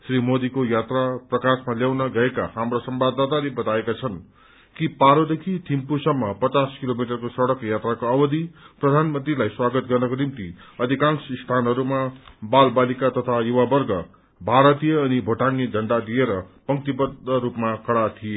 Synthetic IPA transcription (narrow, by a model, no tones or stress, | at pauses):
srimod̪ikojat̪raprʌkasmaljawnʌɡʌeka̰hamrosʌmbad̪at̪alebʌt̪aekat͡sʰʌn | kipaɾod̪ekʰit̪ʰimpusʌmːʌpʌt͡saskilomiʈʌrkosʌɽʌkjat̪rakoʌbʌd̪ʱiprʌd̪ʱanmʌnt̪rilajswaɡʌt̪ɡʌrnʌkonimt̪iʌd̪ʱikansist̪ʰanɦʌɾumabalbalikat̪ʌt̪ʰajuwabʌrɡʌ | bʱaɾʌt̪ijʌːnibʱoʈaŋed͡zʱʌɳɖad̪ieɾʌpʌŋt̪ibʌd̪ːʌɾupmakʌɽat̪ʰije